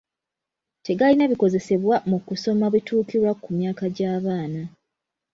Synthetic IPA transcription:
te̞ɡalinaβiko̞ze̞se̞βwamukuso̞maβitʰuːkiɾwakumjaːkaɟaːβaːna

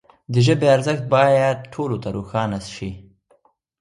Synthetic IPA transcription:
d̪əʒəbeaɾzəxt̪̚bɑːjad̪̚ʈʰolot̪aɾoxɑːnasʃi

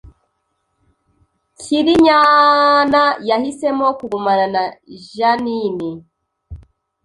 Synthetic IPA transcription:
ciɾiɲanajahise̞mokuɡumananaʒanini

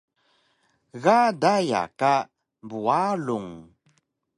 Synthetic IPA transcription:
ɣadaja̰ka | bualuŋ

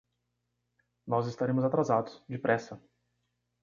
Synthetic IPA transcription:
nɔzɪst̪aɾẽmʊzat̪ɾazad̪ʊsd͡ʒɪpɾʔɛsɐ

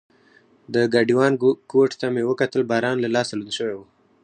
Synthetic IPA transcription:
d̪əɡaɖiwɑnkoʈt̪amewəkat̪əlbɑɾɑnlalɑsalud̪ʃəwewu

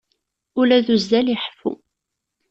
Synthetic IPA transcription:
ʊlæðuzd̪æliħfṵ

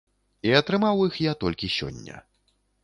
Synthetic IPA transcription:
iɐt̪ɾɨmawixjat̪ɔlʲkʲisʲɔ̰nʲːɐ̰

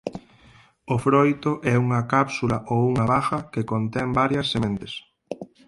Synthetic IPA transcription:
ofɾojt̪oʔɛuŋɐkapsulaʔowuŋɐβaxɐkekont̪ɛmbaɾjɐsːemẽnt̪es

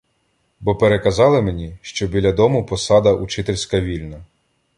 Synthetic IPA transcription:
bɔpeɾekɐzɑlˠɪmenʲiʃt͡ʃɔbʲilʲɐd̪ɔmʊpɔsɑd̪ɐʔut͡ʃɪt̪elʲsʲkɐʋʲilʲnɐ

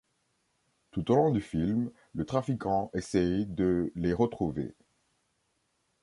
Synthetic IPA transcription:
t̪ut̪olɔ̃d̪yfilm | lət̪χafikɑ̃ʔesɛjd̪əleʁət̪χuvḛ

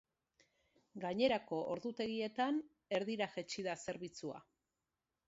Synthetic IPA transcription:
ɡaɲe̞ɾako̞ʔoɾðut̪e̞ɣie̞t̪an | e̞ɾðiɾaxe̞t͡ʃiðase̞ɾβit͡sua̰

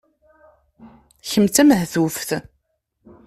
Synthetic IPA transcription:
çəmt͡sæməhθufθ

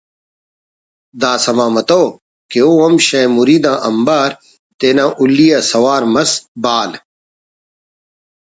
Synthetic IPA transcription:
d̪aːsɐmãːmɐt̪oː | keoɐmɕɐ̃ːmuɾiːd̪ãːʔɐmbaːɾ | t̪eːnãːʔulːijaːsɐwaːɾmɐsbaːl

